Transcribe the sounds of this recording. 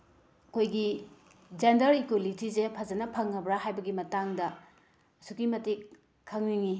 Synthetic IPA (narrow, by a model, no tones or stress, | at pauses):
ɐkʰojɡi | d͡ʒendɐɾikwolitizepʰɐzɐnɐpʰɐŋːɐbɾaɦajbɐɡimɐtaŋdɐ | ɐsukimɐtikʰː | ɐŋniŋi